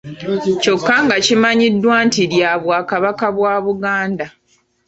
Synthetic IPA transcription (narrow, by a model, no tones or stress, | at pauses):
co̞kːaŋɡacimaɲidːwaːntiɾjaːβwaːkaβakaβwaːβuɡaːnda